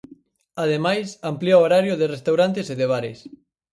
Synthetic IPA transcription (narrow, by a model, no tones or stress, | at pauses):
aðemajsampliaoɾaɾjʊðɪrest̪awɾant̪eseðeβaɾɪ̰s